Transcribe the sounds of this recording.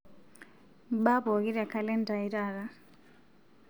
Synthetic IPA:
ɓa˦bɔ˨ɣi˦ɾa˨kʰa˨lɛ˦nda˨iɾa˦˨ɾa˦

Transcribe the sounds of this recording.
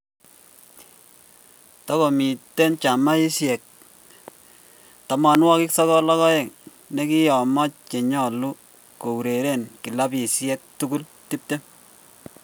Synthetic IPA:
tɔ˦ko˨mi˨te˦nt͡ʃa˨ma˦i˦sjɛ˨k̚ | tɔ˨ma˨nwɔ˦kɪ˦ksɔ˦kɔ˦lɔ˦kɔ˦e˨ŋ | ne˦ki˦jɔ˨mɔ˦t͡ʃ̚t͡ʃe˨ɲɔ˦˨lu˦ | ko˨u˨ɾe˨ɾe˦˨nki˨la˦pi˨sjɛ˦k̚tu˦ku˦l | ti˦p̚te˦

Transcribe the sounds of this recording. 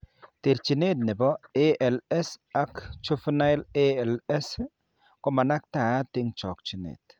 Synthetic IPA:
te˨ɾt͡ʃi˨ne˦t̚nɪ˨bɔ˦e˦ɛ˨lɛ˦sa˦kt͡ʃo˦fna˦ɪ˦le˦ɛ˨lɛ˦s | kɔ˦ma˨na˦k̚ta˨˦tɪ˦ŋt͡ʃɔ˨kt͡ʃi˨nḛ˨t

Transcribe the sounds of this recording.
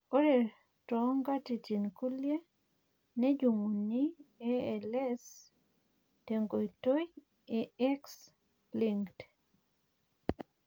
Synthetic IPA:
o˦ɾe˨ | tɔŋɡa˦ti˨t͡ʃi˨nku˦lje˦ | nɛ˦d͡ʒu˨mu˨ni˦eɛ˨lɛ˦s | te˨ŋɡo˨i˨to˦j | e˨ɛ˦ks | liŋɡt

